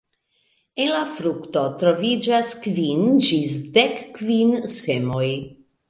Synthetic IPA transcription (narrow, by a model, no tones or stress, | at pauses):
enlafɾukt̪ot̪ɾovid͡ʒaskvind͡ʒisd̪ekːvinsemoj